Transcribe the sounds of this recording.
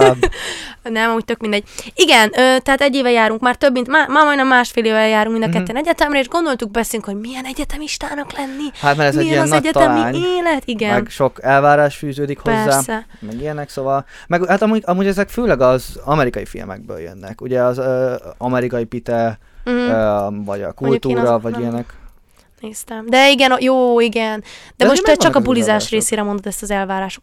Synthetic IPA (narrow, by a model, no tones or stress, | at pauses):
nɛmɒmuːc̚t̪ø̞kmind̪ɛɟ̚iɡɛnøːt̪ɛɦaːt̪ɛɟːeːvɛjaːɾuŋkmaːrt̪øbmint̪maːmaːmɒjnɛmːaːʃfeːleːvɛjaːɾuŋkmind̪kɛt̪ːɛnɛɟɛt̪ɛmɾɛeːʒɡo̞nd̪o̞lt̪uɡ̚bɛseːlyŋkho̞ɟmijɛnɛɟɛt̪ɛmiʃt̪aːnɒklɛnːihat̪maːɾɛzɛiijɛnnːɒɛɟɛt̪ɛlmaiɲeːlɛt̪iɡɛnmɛɡʃo̞kɛlvaːɾaːʃfyːzøːd̪ikhoɛzːaːsɛ | mɛɡijɛnɛksovɒl | mɛɡhat̪ɒmuɟɒmuːɟɛzɛkføːlɛɡɒzɒmɛɾikɒjifḭlmɛ̰ɡ̚bø̰ːljø̰nːɛ̰kuɟɛɒzøɒmɛɾikɒipit̪ɛ | vɒ̰ɟɒ̰kult̪uːɾɒvɒɟijɛnɛk | neːst̪ɛmd̪ɛiɡɛnjoːiɡɛnd̪̥ɛmoʃɛt͡ʃɒkɒbulizaːʃreːseːɾɛmo̞nd̪od̪ɛst̪ɒzɛlvaːɾaːʃok